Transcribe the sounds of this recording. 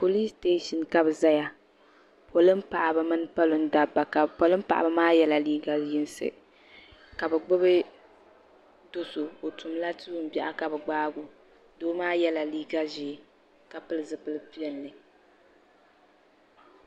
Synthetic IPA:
po˨li˦ste˦ʃi˨nka˦bɨ˨za˦ja˦ | pʰo˨lɨ˦m̩˦pa˨ʔa˨ba˦mɨ˦n˦pa˦lo˨n̩˦da˨bːa˨ka˨po˨lɨ˦m̩˦pa̰˨ʔa̰˨ba˦maː˦jɛ˦la˨liː˦ɡa˦jɪ˦n˦sɨ̰˨ | ka˨bɛ˨ɡ͡bʊ˦bɨ˦ | do˨so˨o˨tʊ˨mla˦tɨ˦ʊ˨m̩˦bɛ˦ʔa˦ka˨bɛ˨ɡ͡baː˦ɡʊ˨ | doː˦maː˦jɛ˦la˨liː˦ɡa˦ʒi˨˦ | ka˨pɨ˦lɨ˨zɨ˨pɨ˦lɨ˦pi˦ɛ˦nːɨ˨

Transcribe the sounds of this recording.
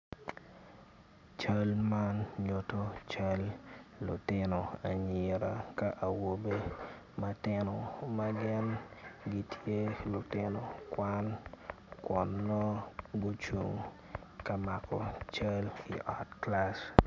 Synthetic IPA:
t͡ʃɐ˦lma˦nɲo˨to˦t͡ʃɐ˦lːʊ˨tɪno˨a˨ɲɪ˨ɾa˨ka˦ʔa˨wo˨be˦ | mɐ˦tɪ˦no˨mɐɡɪ˦nɡi˦tʰje˦lʊ˨tɪ˦no˨kwa˦n | kwɔ˨nːo˦ɡʊ˦t͡ʃu˨ŋ | kɐ˨ma˨kɔ˨t͡ʃɐ˦lḭ˨ʔɔ˨tkla˦s

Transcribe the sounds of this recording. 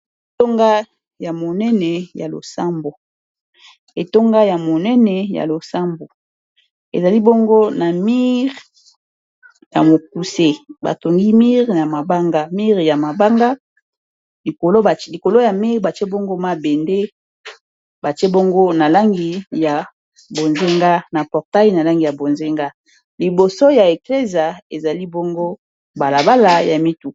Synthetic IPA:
e˨to˦ŋɡa˦ | ja˨mo˨nɛ˦nɛ˨ja˨lo̰˨sa˦mbo˨ | e˨to˦ŋɡa˦ja˨mo˨nɛ˦nɛ˨ja̰˨lo˨sa˦mbo˨ | ḛ˨za˨li˦bo˦ŋɡo˦na˨mi˦ʁ | ja̰˨mo˨k̚u˨se˦ba̰˨to˨ŋɡi˦mi˦ʁna˨ma˨ba˦ŋɡa˦mi˦ʁja˨ma˨ba˦ŋɡa˦ | li˨ko˨lo˦a˨li˨ko˨lo˦ja˨mi˦ʁba˨t͡ʃe˦bo˦ŋɡo˦ma˦be˨nde˦ | ba˨t͡ʃe˦bo˦ŋɡo˦na˨la˦ŋɡi˨ja˨ | bo˨nze˦ŋɡa˦na˨pɔ˨ʁta˦i˦na˨la˦ŋɡi˨ja˨bo˨nze˦ŋɡa˦ | li˨bo˨so˦ja˨e˨kle˦zja˨e˨za˨li˦bo˦ŋɡo˦ | ba˨la˨ba˦la˨ja˨mi˦tu˨

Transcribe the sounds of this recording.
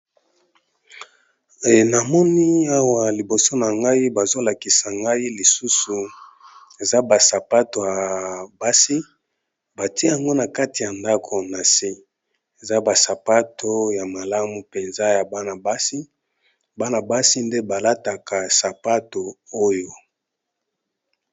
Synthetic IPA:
na˨mɔ˦ni˦a˦wa˨li˨bo˨so˦na˨ŋɡa˦i˦ba˨zo˦la˨ki˨sa˨ŋɡa˦i˦li˨su˦su˨ | e˨za˦ba˨sa˨pa˦to˨ja˨ba˦si˦ | ba˨ti˦e˦a˨ŋɡo˦na˨ka˦ti˨ja˨nda˦kʰo˨na˨si˦ | e˨za˦ba˨sa˨pa˦tʰo˦ja˨ma˨la˦mu˨pe˨nza˦ja˨ba˦na˨ba˦si˦ | ba˦na˨ba˦si˦nde˦ba˨la˦ta˨ka˨sa˨pa˦to˨o˦jo˦

